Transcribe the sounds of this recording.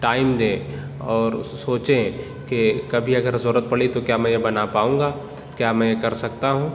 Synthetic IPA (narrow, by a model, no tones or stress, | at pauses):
ʈaːɪmd̪ẽ | ɔːɾsoːt͡ʃẽ | kekɐbʱiɐɡəɾzɔɾət̪̚pɐɽit̪okjaːmɛ̃jebɐnapaːũːŋɡaː | kjaːmɛ̃jekɐɾsɐkt̪aɦũː